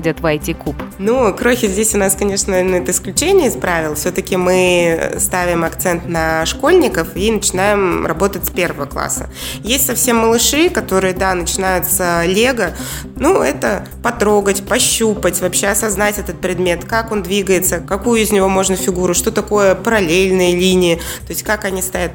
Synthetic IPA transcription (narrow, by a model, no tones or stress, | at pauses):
dʲɐt̪vajtʲɪkupnukɾoxʲɪzʲdʲesʲʊnaskɐnʲe̞ʂnənɛt̪əɪsklʲʉt͡ɕenʲɪjəɪspɾavʲɪlˠfsʲo̞t̪əkʲɪmɨ̰st̪avʲɪmɐkt̪sɛnt̪nəʂko̞lʲnʲɪkəfinət͡ɕɪnajɪmrɐ̰bo̞t̪ətʲsʲpʲe̞rvəvəklˠa̰sːə̰ | jesʲtʲsɐfsʲe̞mːəlˠɨʂɨkɐt̪o̞ɾɨjəd̪anət͡ɕɪnajʊt̪səlʲeɡə | nuɛt̪ə | pɐt̪ɾo̞ɡətʲpɐɕːupətʲvɐpɕe̞ɐsɐznatʲɛt̪ət̪̚pɾʲɪd̪mʲe̞t̪kako̞nd̪vʲiɡəjɪt̪səkɐkujʊɪznʲɪvo̞mo̞ʐnəfʲɪɡuɾʊʂt̪o̞t̪ɐko̞jəpəɾɐlʲelʲnɨjəlʲinʲɪjɪ | t̪o̞ɪsʲtʲkakɐnʲist̪ajʲat̪̚